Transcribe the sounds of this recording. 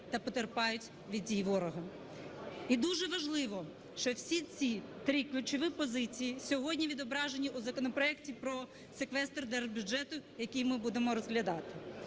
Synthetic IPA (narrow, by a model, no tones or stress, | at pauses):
t̪ɐpɔt̪erpɑjʊtʲ | ʋʲid̪̚ʲdʲijʋɔɾɔɦɐ | id̪uʒɛʋɐʒlˠɪʋɔ | ʃt͡ʃɔwsʲit͡sʲit̪ɾiklʲʊt͡ʃɪʋɪpɔzɪt͡sʲijisʲɔɦɔdʲnʲiʋʲid̪ɔbɾɑʒenʲiʔuzɐkɔnɔpɾɔɛktʲipɾɔ | sekʋɛst̪ɔrd̪ɛrbʲjʊd͡ʒɛt̪ʊjɐkʲijmɪbud̪emɔɾɔzɦlʲɐd̪ɑt̪ɪ̥